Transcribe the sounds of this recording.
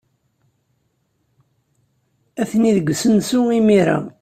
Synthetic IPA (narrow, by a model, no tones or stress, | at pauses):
æθniðəɡʷəsənsuimiɾa̰